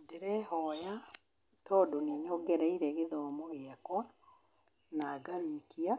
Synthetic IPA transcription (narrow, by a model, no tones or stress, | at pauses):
dɛɾɛhɔja | tɔːdoniɲɔɡɛɾɛiɾɛɣeðɔmoɣeakwa | naɡaɾikia